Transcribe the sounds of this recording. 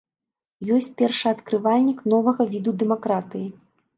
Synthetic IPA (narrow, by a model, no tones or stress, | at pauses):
jɔsʲt͡sʲpʲɛrʂɨɐt̪kɾɨvalʲnʲikn̪ɔvɐɣɐvʲid̪ud̪ɛmakɾat̪ɨji